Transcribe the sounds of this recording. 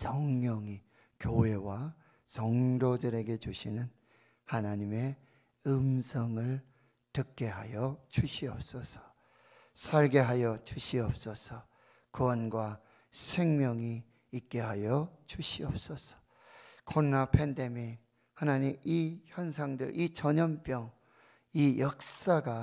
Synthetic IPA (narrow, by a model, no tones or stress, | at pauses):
sʌŋɲʌŋi | kjoe̞wa | sʌŋdodɯɾe̞ɡe̞t͡ɕuɕʰinɯn | hanaɲime̞ | ɯmsʰʌŋɯɭ | tɯk̚k͈e̞ɦajʌt͡ɕuɕʰiʌp̚s͈ʌsʰʌ̥ | sʰaɭɡe̞ɦajʌt͡ɕuɕʰiʌp̚s͈ʌsʰʌ | kɯwʌnɡwa | sʰe̞ŋmjʌŋiː | k͈e̞ɦajʌt͡ɕuɕʰiʌp̚s͈ʌsʰʌ̥ | kʰonːapʰende̞mi | hanaɲimiçjʌnsʰaŋdɯ̰ɾʔit͡ɕʌɲʌmp͈jʌŋ | ijʌk̚s͈aɡa